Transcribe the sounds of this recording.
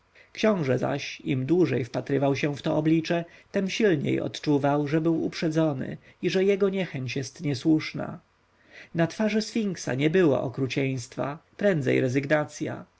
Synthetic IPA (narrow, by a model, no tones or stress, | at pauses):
kɕɔ̃w̃ʐɛza̰ɕimd̪wuʐɛjfpat̪ɾɘvawɕɛft̪ɔɔblʲit͡ʂɛt̪ɛmɕilɲḛjɔ̰t̪t͡ʂuvawʐɛbɘwṵpʂɛd̪zɔnɘ̰ | iʐɛjɛɡɔɲɛxɛɲt͡ɕjɛst̪ɲɛswuʂna̰ | nat̪faʐɘsfʲiŋksa̰ɲɛbɘwɔ̰ʔɔkɾut͡ɕɛj̃st̪fapɾɛnd̪zɛ̰jɾɛzɘɡnat̪sʲja̰